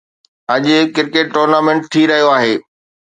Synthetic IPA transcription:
ɐʄʊkɪɾkeʈːoːɾnaːmẽɳʈ̚t̪ʰiɾɐɦijoaːɦeː

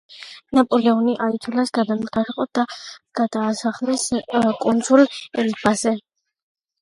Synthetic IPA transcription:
napʼɔlɛuniʔait̪ʰulasɡad̪amɡaɾɛqʼɔd̪̥aɡ̥ad̪aːsaχlɛskʼunsulɛlibazɛ

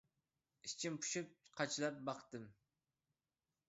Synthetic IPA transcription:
ist͡ʃʰimpʰu̥ʃyp̚qʰɑt͡ʃʰlˠɑp̚bɑqt̪ɨm

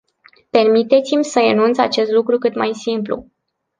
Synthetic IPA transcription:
pe̞rmit̪e̞t̪simʲsəɾenunt̪sat͡ʃe̞st̪lukɾukɨt̪majsimplṵ

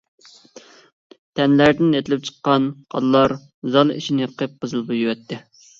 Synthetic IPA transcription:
t̪ʰɛnlæɾd̪ɪnet̪ʰɪlɪp̚t͡ʃʰə̥qːɑnqʰɑ̰llːˠɑɾ | zɑlˠḭʃinɪqʰep̚qʰəzɨlˠbujywɛt̪ʰːɪ

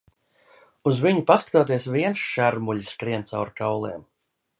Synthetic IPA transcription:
uzviɲipaskḁt̪oːt̪iɛsviɛnsʃaɾmuʎʲiskɾiɛnt̪sawɾkawlˠɛ̰ːm

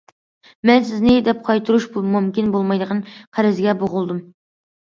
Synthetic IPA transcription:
mɛnsɪznɪd̪ɛp̚qʰɑjt̪ʰuɾuʃbumumkʲinbolˠmɑjd̪əʁɑnqʰæɾɪzɡʲɛboʁʊlˠd̪ɨm

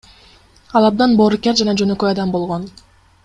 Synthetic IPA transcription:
ɑlˠɑb̚d̪ɑnboːɾukʲeɾd͡ʒɑnɑd͡ʒønøkøjɑd̪ɑmbo̞lˠʁo̞n

